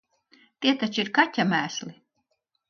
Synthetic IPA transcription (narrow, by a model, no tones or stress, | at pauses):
t̪iɛt̪at͡ʃiɾkatʲːamæːsli